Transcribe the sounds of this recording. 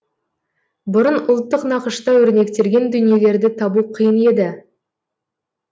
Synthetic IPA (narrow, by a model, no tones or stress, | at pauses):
bʊɾənʊlˠt̪ːəqnɑqəʃt̪ɑwɵɾne̞kt̪e̞ɾɡʲe̞nd̪ʏnije̞le̞ɾd̪ɪt̪ʰɑbuqʰijəne̞d̪ɪ